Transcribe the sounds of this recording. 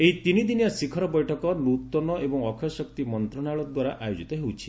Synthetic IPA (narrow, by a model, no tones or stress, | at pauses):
eɦit̪inid̪injasikʰɔɾɔbɔjʈʰɔkɔnut̪ɔnɔebɔŋɔkʰɔsɔkt̪imɔnt̪ɾɔnaɭɔd̪waɾaʔajod͡ʒit̪ɔɦewt͡ʃʰi̥